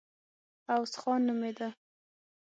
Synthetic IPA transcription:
awsxɑnːumed̪a

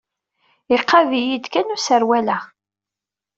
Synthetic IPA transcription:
iqːɑvijid̪kænusəɾwælæ

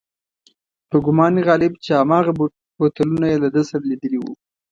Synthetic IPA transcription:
pəɡʊmɑniɣɑlɪbt͡ʃehamɑɣa | bot̪alunajelad̪əsaɾalid̪əliwṵ

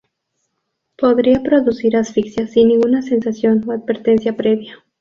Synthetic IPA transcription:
po̞ðɾiapɾo̞ðusiɾasfiksjasːinːĩŋɡunase̞nsasjo̞noad̪̚beɾt̪e̞nsjapɾe̞βja

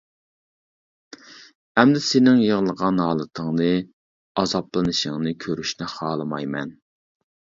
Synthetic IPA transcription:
ɛmd̪ɪsenɪŋjəʁlˠəʁɑnɦɑːlˠɨt̪ʰəŋnɨ | ɑzɑplˠɨnɨʃɪŋnɨkʲʰøɾyʃnɪχɑːlˠɨmɑjmɛ̰n

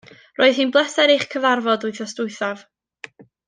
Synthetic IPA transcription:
roːɨð̥hiːnblˠɛsɛɾejχkʰəvarvɔdʊɨθɔstʊɨθav

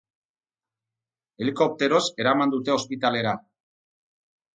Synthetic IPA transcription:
e̞liko̞p̚t̪e̞ɾo̞se̞ɾamand̪ut̪e̞o̞spit̪ale̞ɾa

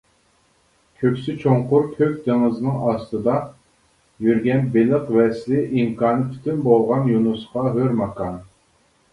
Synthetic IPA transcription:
kʲʰøkʲsɪt͡ʃʰoɴqʊɾkʲʰøkʲd̪eŋɨzɨnɨŋɑst̪ɨd̪ɑ | jyɾɡʲɛnbeləqvɛslɪʔimkʰɑːnɨpʰy̥t̪ʰynbolˠʁɑnjunusqɑɦøɾmɑqʰɑn

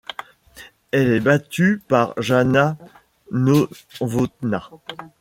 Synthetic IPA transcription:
ɛlɛbat̪ypaʁʒana | no | vot̪na

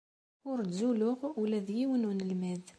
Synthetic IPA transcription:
ʊɾzulʊʁwlæðjiwənwənəlmæð

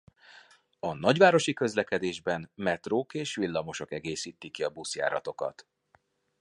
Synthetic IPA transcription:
ɒnɒɟʋaːɾo̞ʃikø̞zlɛkɛd̪eːʒbɛnmɛt̪roːkeːʃʋilːɒmo̞ʃo̞kɛɡeːsiːt̪ikːiɒbusja̰ːɾɒt̪o̞kɒ̰t̪

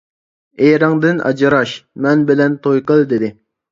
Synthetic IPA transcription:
eɾɑŋd̪ɪnɑ̰d͡ʒɨɾɑʃmɛnbɪlɛnt̪ʰojqəlˠd̪ɪd̪ɪ

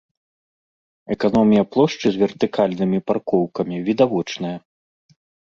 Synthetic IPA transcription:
ɛkanɔmʲijɐplˠɔʂt͡ʂɨzʲvʲɛrt̪ɨkʰalʲnɨmʲiparkɔwkɐmʲivʲid̪avɔt͡ʂnɐjɐ

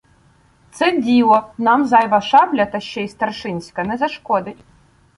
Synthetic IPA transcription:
t̪sɛdʲilˠɔnamzajvɐʃablʲɐt̪ɐɕt͡ʃɛist̪ɐrʂɪnʲsʲkɐnɛzɐʂkɔd̪ɪtʲ

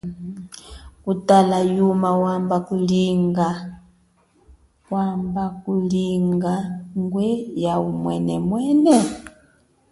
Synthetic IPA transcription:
kutalajumawambakuliŋɡa | wambakuliŋɡaŋɡwɛjaumwɛnɛmwɛnɛ

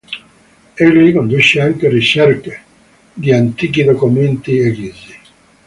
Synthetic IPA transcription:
ɛlːikond̪uʃːeaŋkerit͡ʃɛrke | d̪iant̪iːk̟id̪okument̪iekizi

